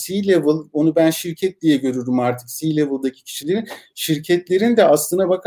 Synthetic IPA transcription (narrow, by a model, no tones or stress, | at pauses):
silʲevɯlˠonubænʃiɾcʰɛt̪̚d̪ʲijɛɟø̞ɾyɾymaɾt̪ʰɯ̥ksiːlʲevɯlˠd̪acʰi̥cʰi̥ʃilʲe̞ɾinʃiɾcʰɛt̪lʲe̞ɾind̪ɛʔaslˠɯnabakʰ